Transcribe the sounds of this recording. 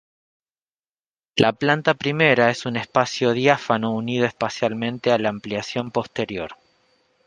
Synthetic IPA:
lʔaplant̪apɾime̞ɾaesune̞spasjo̞ðjafano̞unið̞oespasjalmẽ̞nt̪e̞alaːmpljasjo̞mpo̞st̪e̞ɾjo̞̰ɾ

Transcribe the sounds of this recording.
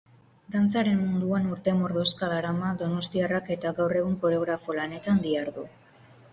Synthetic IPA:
d̪ant͡saɾe̞mmund̪uenuɾt̪e̞mo̞ɾðo̞skaðaɾamad̪o̞no̞st̪iarake̞t̪aɣawre̞ɣ̞uŋko̞ɾe̞o̞ɣɾafo̞lane̞t̪and̪iaɾðu

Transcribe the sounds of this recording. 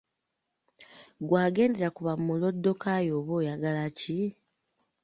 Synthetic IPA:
ɡwaːɡe̞ːnde̞ɾakuβammulo̞dːo̞kajo̞ːβoːjaɡalaci

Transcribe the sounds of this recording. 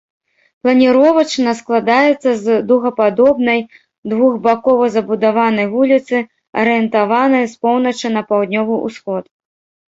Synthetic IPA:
plˠɐnʲiɾɔvɐt͡ʂnɐsklˠad̪ajɛt̪sːɐzd̪ɐwɣɐpad̪ɔbnɐj | d̪vuɣbakɔvɐzɐbud̪avanɐjvulʲit̪sɨ | ɐ̰ɾɨjɛnt̪avanɐjspɔwnɐt͡ʂɨnɐpawd̪nʲɔvɨʔṵsxɔt̪

